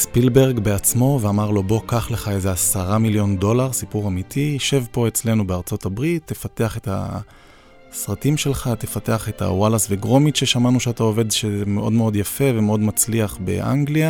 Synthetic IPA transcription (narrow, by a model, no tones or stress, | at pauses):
spilbe̞ʁɡbeat͡smo̞veamaʁlo̞bo̞kaχle̞χaeze̞asaʁamiljo̞ndo̞laʁsipuʁamitʰiʃe̞vpo̞et͡sle̞nubeaʁt͡so̞tabʁit̪ːefate̞aχe̞ta̰ | sʁatimʃe̞lχatefate̞aχe̞ta̰walasveɡʁo̞mitʃeʃamanuʃeatao̞ve̞dʃezeme̞ʔo̞dmeo̞djafe̞veme̞o̞dmat͡sliaχbe̞̰ʔa̰ŋɡlia